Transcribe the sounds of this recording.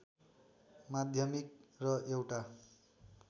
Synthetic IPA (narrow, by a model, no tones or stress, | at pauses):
mad̪ʱjʌmik̚rʌewʈa